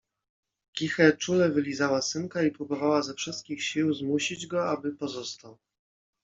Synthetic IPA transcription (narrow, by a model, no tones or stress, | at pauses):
kʲixɛt͡ʂulɛvɘlʲizawasɘnkaipɾubɔvawazɛfʂɘst̪̚kʲixɕiwzmuɕid͡ʑɡɔabɘpɔzɔst̪aw